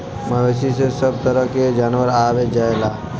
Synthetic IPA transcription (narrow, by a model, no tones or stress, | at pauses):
mɐʋesisesəb̚t̪əɾəɦked͡ʒaːnʋəɾaːʋed͡ʒaelaː